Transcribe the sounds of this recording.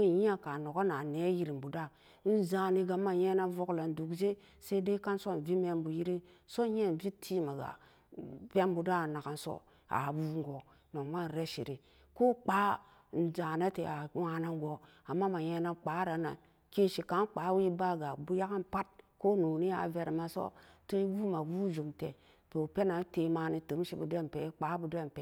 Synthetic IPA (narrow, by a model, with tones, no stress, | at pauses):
e˦˨ji˦a˨ka˨no˨ko˦na˨ne˦ji˨ɾi˨m˨bu˨da˦ | n̩˦za˨ni˨ɡa˨ma˨je˦na˦vo˦kla˨n˨du˨kze˦ | se˦i˦de˦ka˦nso˦n˨vi˦me˦mbu˨ji˦ɾi˦ | so˦e˦˨n˨vi˦tʰi˦ma˨ɡa̰˨ | pe˦m˦bu˨da˦˨na˨ka˨nso̰˦ | a̰˨bu˦ŋ˦ɡo˨ | no˨ŋma˦n˨ɾe˦ʃḭ˨ɾi˨ | ko˦k͡pa˦ | n̩˨d͡ʒa˨na˦tḛ˨a˨˦wa˦na˦ŋ˦ɡo˨ | a˨mːa˦ma˨je˦na˦k͡pa˨˦ɾa˨na̰˨n | ki˦ʃi˨ka˨˦nk͡pa˨˦wi˦ba˦ɡa˨bu˦ja˦ka˦npa˦t̚ko˦nu˨ni˦a̰˨ve˦ɾma˦so̰˦to˦ɡu˦ma˨ɡu˦d͡ʒu˨mte˨ | to˨pe˦na˨˦te˨maː˦ni˦tɨ˨˦m˦ʃi˦bu˨de˦m˨pe˨˦k͡pa˨˦bu˨de˦˨m˨pe˨